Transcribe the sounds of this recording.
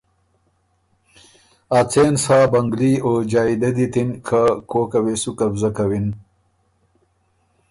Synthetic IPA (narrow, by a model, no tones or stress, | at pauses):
at͡seːnsaːbɐŋɡliod͡ʒaːid̪ɐd̪it̪inkʰakoːkɐwesukɐbzɐkɐwin